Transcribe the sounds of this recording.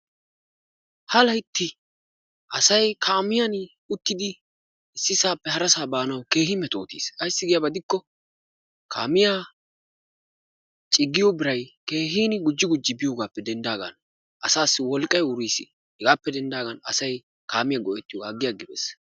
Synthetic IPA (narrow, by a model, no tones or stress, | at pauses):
hɐlɐjt̪ːɪ | ʔɐsɐjkʰaːmɪjɐn | ʊt̪ːɪd̪ɪ | ɪsːɪsaːpːɛɦɐɾɐsaːbaːnɐwke̞ːɦɪmɛt̪ʼo̞̰ːt̪ḭːsɐjsːɪɡɪjɐbɐd̪ɪkːɔ | kʰa̰ːmɪjaː | t͡ʃʼɪɡːɪjobɪɾɐjke̞ːɦiːnɪɡʊd͡ʒːɪɡʊd͡ʒːɪbɪjoːɡaːpːɛd̪ɛnd̪aːɡɐ̰n | ʔɐsaːsːɪwɔlkʼːɐjʊɾiːsɪ̰ | hɛɡaːpːɛd̪ɛnd̪aːɡɐnɐ̰sɐj | kaːmɪjaɡɔʔɛt̪ːɪjɔɡaːɡːɪjaɡɪbḛːs